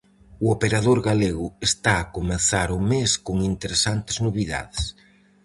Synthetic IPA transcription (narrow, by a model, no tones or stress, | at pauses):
ʊopeɾaðoɾɣaleɣʊest̪aːkomeθaɾʊmeskoŋint̪eɾesant̪ɪ̥znoβ̞iða̰ðes